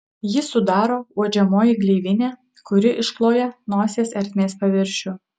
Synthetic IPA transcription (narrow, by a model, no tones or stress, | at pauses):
jɪsʊd̪ɑːɾoːuɔd͡ʒʲɛmoːjɪɡlʲɛɪʋʲɪnʲæː | kʊɾʲɪʔɪʃklˠoːjɛnoːsʲeːsɛɾʲt̪ʲmʲeːspɐʋʲɪɾʲʃʲʊ